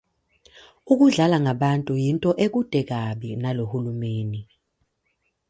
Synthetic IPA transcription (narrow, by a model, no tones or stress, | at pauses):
uk̬uɮalaŋaɓantʼujintʼɔʔek̬ud̥ʱɛk̬aɓinalohulumeːni